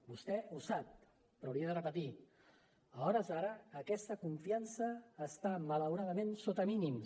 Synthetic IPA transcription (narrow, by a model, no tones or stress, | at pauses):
bust̪ɛusap̚ | pːɾɔwɾiəðərəpət̪i | əɔɾəzaɾəːkɛst̪əkuɱfiansəːst̪amələwɾaðəmẽnsot̪əminim